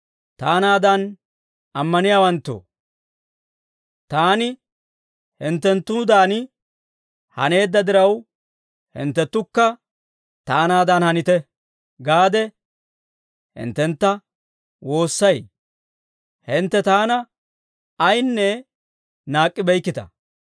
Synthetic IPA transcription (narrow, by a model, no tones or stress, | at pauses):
t̪aːnaːd̪ɐn | ɐmːɐnɪjaːwɐnt̪ːo̰ | t̪aːnɪ | hɪnt̪ːɛnt̪ːʊd̪aːnɪ | hɐ̰ne̞ːd̪ːɐd̪ɪɾɐw | hɪ̰nt̪ːɛt̪ːʊkːɐ | t̪aːnaːd̪ɐnhɐnɪt̪ɛ | ɡaːd̪ɛ | hɪ̰nt̪ːɛnt̪ːɐ | wʔo̞ːsːɐj | hɪnt̪ːɛt̪aːnɐː | jnːɛ | naːkʼːɪbɛjkːɪt̪ɐ̰